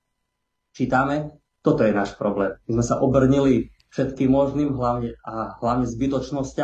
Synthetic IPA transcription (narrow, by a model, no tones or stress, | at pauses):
t͡ʃiːt̪amɛ | t̪ɔt̪ɔjɛnaːʃpɾɔblɛːmmizmɛsaʔɔbr̩ɲili | fʃɛt̪kiːmmɔʒniːmɦlaʊɲɛaɦlaʊɲɛzbit̪ɔt͡ʃnɔsca